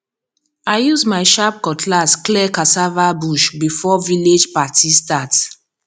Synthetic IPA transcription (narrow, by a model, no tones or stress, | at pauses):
aɪjuzmaɪʃap̚kɔtʰlasklɛkasavabuʃbifɔviled͡ʒpatistat